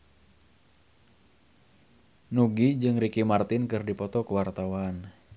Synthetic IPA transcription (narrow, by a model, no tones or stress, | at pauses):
nuɡid͡ʒɨŋɾikimart̪ɪnkɨrdipɔt̪ɔkuwart̪awan